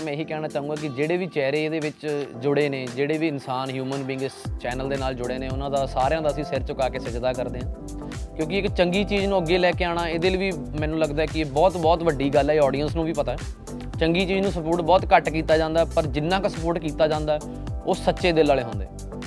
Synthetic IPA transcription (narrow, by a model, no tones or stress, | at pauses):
mɛ̃ːɦiːkɛːnaːt͡ʃaːɦũːŋɡaːk̬ɪd͡ʒeːɽeːʋiːt͡ʃɛːɾeːd̪eːʋɪt͡ʃd͡ʒʊɽeːneːd͡ʒeːɽeːʋiːɪnsaːnɦjuːmənbiŋɡst͡ʃɛːnəld̪eːnaːld͡ʒʊɽeːneːʊnãːd̪aːsaːɾejãːd̪aːəsĩːsɪɾt͡ʃʊkaːkeːsɪd͡ʒd̪aːkəɾd̪eːɦãː | kjõːkɪɪkt͡ʃəŋɡiːt͡ʃiːznũːəɡːeːlɛːkeːaːɽ̃aːeːd̪eːlːʋiː | mɛ̃ːnũːləɡd̪aːɦɛːkɪeːbɔːt̪bɔːt̪ʋəɖiːɡəlɛːɔːɖijənsnũːʋiːpət̪aːɦɛ | t͡ʃəŋɡiːt͡ʃiːd͡ʒnũːsəpoːʈbɔːt̪kəʈkiːt̪aːd͡ʒãːnd̪aːɛpəɾd͡ʒɪnːãːkasəpoːɾʈkiːt̪aːd͡ʒãːnd̪aːɛː | oːsətːʃeːd̪eːlːaːleːɦʊ̃ːnd̪ḛː